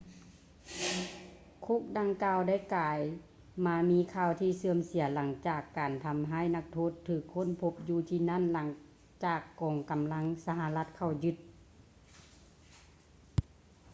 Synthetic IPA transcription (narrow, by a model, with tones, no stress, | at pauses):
kʰo˧˥k̚da˧ŋkaː˧˨wda˥˩jkaː˨j | maː˧˥miː˧˥kʰaː˧˩˨wt̪ʰiː˧˩sɯ˧əmsi˨˩˦əla˨˦ŋt͡ɕaː˧˨˩kːaː˨nt̪ʰa˧mɦaː˧˥˨jna˧k̚t̪ʰoː˧˥˨t̪ʰːɯː˧˩kʰːo˧˥˨npʰo˧˥p̚juː˧t̪ʰiː˧˩na˧˥˨nla˨˦ŋ | t͡ɕaː˨˩kːɔː˨ŋka˨mla˧˥ŋsa˧ha˧la˧t̪̚kʰa˧˩wjɯ˧˥t̪̚